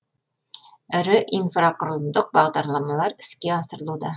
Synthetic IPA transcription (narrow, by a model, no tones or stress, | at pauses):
ɘ̆ɾɘʔinfraqŏrlˠɤ̆nd̪ɤq̚bɒʁd̪ɑɾlˠɑmɑlˠɑɾɘ̥̆skæɒsɤ̆ɾlˠud̪ɑ